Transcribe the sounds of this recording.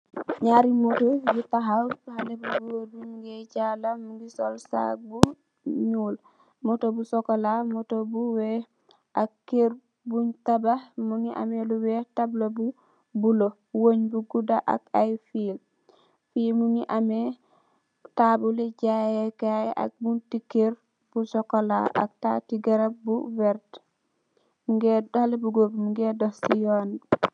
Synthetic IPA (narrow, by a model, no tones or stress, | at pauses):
ɲaɾimotobitaɦawbhalebubodumuɡeɟalamuɡisolsa̰k̚bu | ɲuːl | motobusokolamotobuwe | akːeɾ | buɲtabamuŋiʔa̰meluwetablobu | bulo | woɲbuɡudaʔa̰kajfiːl | fiːlmuŋiʔame | tabuleɟajekajʔa̰k̚buntikːeɾ | b̥usɔkola̰ʔa̰k̚tatiɡaɾabuvɛɾt | muɡedalebuɡobmuŋɡedɔhsijɔn